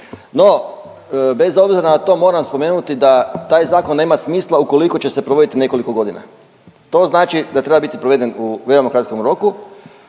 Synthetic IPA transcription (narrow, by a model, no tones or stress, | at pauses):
no̞ | be̞zo̞bziɾanat̪o̞mo̞ːɾamspo̞me̞ːnut̪id̪at̪aːjzaːkonːe̞ːmasmiːslˠauko̞liko̞t͡ɕe̞se̞pɾoʋo̞d̪it̪ine̞ko̞liko̞ɡo̞d̪ina̰ | t̪o̞znaːt͡ʃid̪at̪ɾe̞babit̪ipɾoʋe̞d̪e̞nuʋe̞omakɾat̪ko̞mɾo̞ku